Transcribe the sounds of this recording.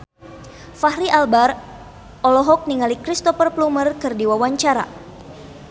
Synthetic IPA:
fahɾiʔalbar | ʔɔlɔɦɔk̚niŋalikɾist̪ɔfərplumərkɨrdiwawaɲt͡ʃaɾa̰

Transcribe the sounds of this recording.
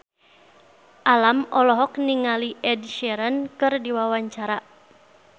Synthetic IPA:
ʔalamɔlɔɦɔk̚niŋaliʔɛdʃɛɾankɨrdiwawaɲt͡ʃaɾa

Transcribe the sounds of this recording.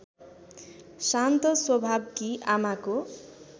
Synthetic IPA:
sant̪ʌswʌbʱab̚kiamako

